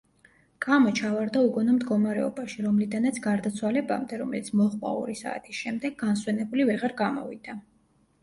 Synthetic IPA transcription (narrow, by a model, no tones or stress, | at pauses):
kʼamɔt͡ʃʰavaɾd̪auɡɔnɔmd̪ɡɔmaɾɛɔ̰baʃiɾɔmlid̪anat̪sʰɡaɾd̪at̪sʰwalɛba̰md̪ɛɾɔmɛlit̪sʰmɔχʼkʼa̰ɔ̰ɾisa̰ːt̪ʰisʃɛmd̪ɛɡːanswɛnɛbulivɛʁaɾɡamɔ̰vḭd̪̥a